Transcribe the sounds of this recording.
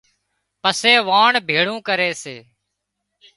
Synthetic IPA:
pəseːʋaːɳbʱeːɭũːkəɾeːseː

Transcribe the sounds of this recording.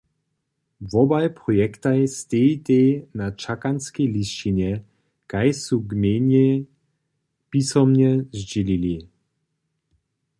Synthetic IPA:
vɔbajpʁɔjɛkt̪ajst̪et̪ɛjnat͡ʃakanskejlist͡ʃinjɛ | kajsuɡmɛnɛ | pisɔmɲɛzd͡ʑilili

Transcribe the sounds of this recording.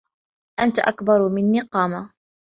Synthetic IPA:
ʔant̪aʔakbɑɾˤmɪnːiːqɑːma

